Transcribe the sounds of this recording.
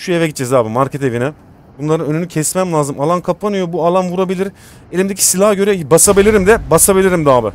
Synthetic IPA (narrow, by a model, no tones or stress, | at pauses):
ʃujevɛɟit̪̚ːt͡ʃɛzaːbimaɾcet̪ʰevinɛ | bunlˠaɾɯnønynycʰɛsmæmlʲaːzɯmalˠankʰapːanɯjobualˠanvuɾabilʲiɾ | elʲimd̪ecʰi̥silʲˠahaɟø̞ɾɛbasabilʲiɾimd̪ɛbasabilʲiɾimd̪aːbɪ